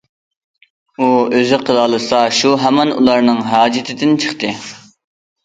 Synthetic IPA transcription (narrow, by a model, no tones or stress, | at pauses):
uøzɪqʰəlˠɑːlˠɨsɑʃuɦɛmɛnṵlˠɑɾnɨŋɦɑːd͡ʒɪt̪ʰɪd̪ɪnt͡ʃʰəχt̪ʰɨ